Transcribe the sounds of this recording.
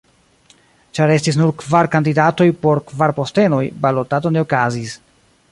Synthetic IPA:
t͡ʃaɾe̞stis̬nuɾkvaɾkandidato̞jpo̞ɾkvaɾpo̞ste̞no̞jbalotato̞ne̞okazis

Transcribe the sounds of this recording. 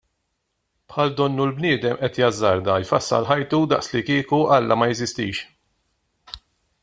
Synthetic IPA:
pħɐld̪ɔnːulbnɪːd̪ɛmʔɛt̪jɐzːɐɾd̪ɐjfɐsːɐ̰lħɐjt̪ud̪ɐ̰ʔslikɪːkuʔɐlːɐmɐjɛzɪst̪ḭːʃ

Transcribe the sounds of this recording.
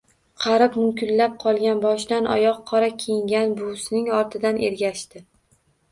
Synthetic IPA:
qʰɑɾɪpmʊmkʲʰɪnlap̚qʰɒlˠɡʲanbɒʃd̪anʔɒ̰jɒqʰːɒɾakʲʰejɪŋɡʲanbʊsnɪŋɒɾt̪ʰɪd̪anʔḛɾɡʲaʃt̪ɪ

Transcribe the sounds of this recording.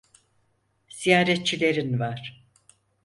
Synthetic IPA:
z̥ijaːɾɛt̪̚t͡ʃʰilʲe̞ɾinvaɾ̥

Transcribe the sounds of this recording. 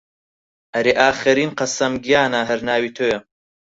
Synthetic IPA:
ʔɐɾeʔaːxɐɾiːnqɐsɐmɡijaːnɐɦɐɾnaːwiːt̪ʰoːjɐm

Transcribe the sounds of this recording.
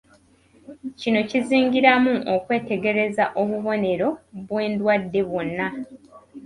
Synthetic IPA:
cino̞ciziːŋɡiɾamuʔokwe̞ːte̞ɡe̞ɾe̞zaʔoβuβo̞ne̞ɾo̞βwe̞ːndwadːe̞βwo̞nːa

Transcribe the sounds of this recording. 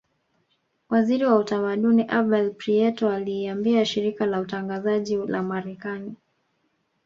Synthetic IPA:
waziɾiwautamaɗuniʔabɛlpɾiɛtɔaliːambiaʃiɾikalautaŋɡazaʄilamaɾɛkani

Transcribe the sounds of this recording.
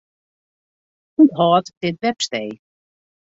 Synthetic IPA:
hutɦɔːtd̥ɪtʋɛpstej

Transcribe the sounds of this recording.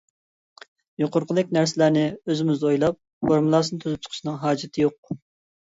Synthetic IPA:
joqʰʊɾqʰəlˠɪkʲnæɾsɪlæɾnɪøzɪmɪzd̪ojlˠɑp̚ | foɾmulˠɑːsɨnɨt̪ʰyzyp̚t͡ʃʰqʰʃinɨŋɦɑːd͡ʒɪt̪ʰɪjoq̚

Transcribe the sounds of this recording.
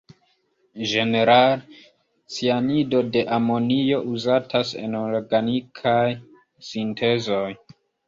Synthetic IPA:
d͡ʒe̞ne̞ɾal | t͡sianido̞de̞ʔamo̞nio̞ʔuzatʰase̞̰noɾɡanikʰaj | sinte̞zo̞j

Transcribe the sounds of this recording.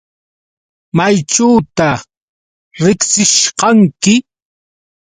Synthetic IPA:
majʈ͡ʂawt̪a | ɾɪksɪʃqɑŋkɪ

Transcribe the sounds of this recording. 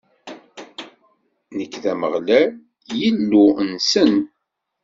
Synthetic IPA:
nəkːðæməʁlæ | jilːunsən

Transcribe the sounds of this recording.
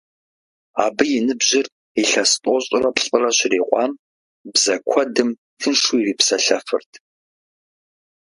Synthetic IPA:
aːbɨjɪnɨbʑɪr | eɬɐstʼɔɕʼɪrɐpɬʼɨrɐɕɪriːqʷɑːm | bzɐkʷʰɔdɨm | tʰɨnʂuiriːpsɐɬɐfɨ̰rtʰ

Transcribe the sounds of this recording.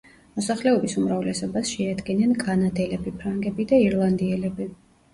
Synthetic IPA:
mɔsaχlɛɔbisumɾavlɛsɔbasʃɛad̪ɡinanɡʼanad̪ɛlɛbipʰɾaŋɡɛbid̪aiɾlˠand̪iɛlɛbi

